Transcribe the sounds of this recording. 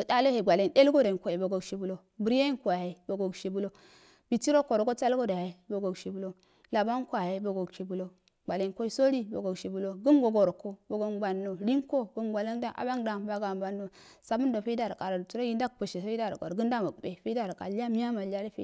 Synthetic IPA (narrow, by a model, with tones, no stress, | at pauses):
da˦lo˦he˨ɡʷa˨le˦˨nde˦lɡo˦da˨ko˨e˨bo˨ɡo˨ɡʃi˨bu˦lo˦ | bu˨ɾja˦i˦nku˨a˨ha˨bo˨ɡo˨ɡʃi˨bu˦lo˦ | b̥i˨ti˦ɾo˦ko˨ɾo˨ɡo˦t͡sa˦lɡo˦da˨ha˨i˨bo˨ɡo˨ɡʃi˨bu˦lo˦ | la˨ba˦n˦ko˦a˨ja˨˦bo˨ɡo˨ɡʃi˨bu˨lo˦ | ɡ͡ba˨le˨nko˦i˦so˦ɾi˦bo̰˨ɡo˨ɡʃi˨bu˦lo˦ɡu˦nɡo˨ɡo˨ɾko˦bo˨ɡo˦nba˨nːo˨ɾi˦ŋko˦ɡo˦ŋɡʷa˨la˦nda˦ʔa̰˨ba˦ŋda˨mba˦ɡa˨mba˨nːo˨sa˨bu˦ndo˨fe˦da˦˨ɾkʼa˨ɾa˨tu˨ɾo˦ji˦nda˦k̚po˨ʃe˨so˦i˦da˦˨ɾ̰ɡo̰˨ɾɡu˦n˦da˦ma˨kbe˨fe˦da˦˨ɾka̰˨la˦mi˦ja˦ma˨la˦lo˦fe˦